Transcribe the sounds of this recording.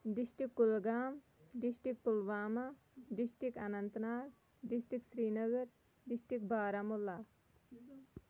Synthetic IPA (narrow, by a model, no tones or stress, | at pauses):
ɖisʈikːulɡaːm | ɖisʈik̚pulʋaːma | ɖisʈikanɐnt̪naːk | ɖisʈiksɾiːnəɡəɾ | ɖisʈikbaːɾamulːa